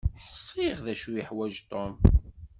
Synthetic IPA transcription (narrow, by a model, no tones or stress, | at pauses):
ħə̥sˤːiʁðæʃujəħwæʒt̪ˤom